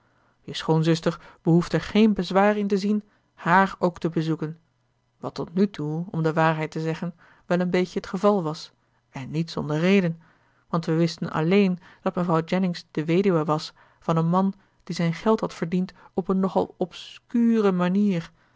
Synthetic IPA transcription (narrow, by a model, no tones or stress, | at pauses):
jəsχonzʏstəɹb̥əɦufdəɛɹχejnbəzʋaːrɪntəzin | haːɹowktəbəzukən | ʋɑtɔtnytʰuɔ̰mdəʋaːɹɦɛjtəzɛχən | ʋɛlˠənbejcəɦətχəvɑlˠʋɑs | ɛnːitsɔ̰ndəɹrejdən | ʋɑntʋəʋɪstənʔɑ̰lejnd̥ɑtməvrɑwd͡ʒɛnɪŋsd̥əʋejdyaʋɑs | fɑnənmɑn | d̥izɛjnχɛlˠthɦɑtfəɹdintɔpənːɔχɑ̰lˠɔpskyːrəmaniːɹ